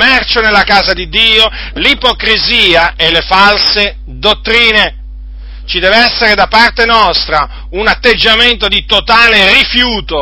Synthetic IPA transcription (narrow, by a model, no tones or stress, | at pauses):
mɛrt͡ʃonelːakaːzad̪id̪ːiːo | lipokɾiziːaʔelefalse | d̪ot̪ːɾiːne | t͡ʃid̪ɛːveɛsːeɾed̪apart̪enɔst̪ɾa | unat̪ːed͡ʒːament̪od̪it̪ot̪aːlerifjuːt̪o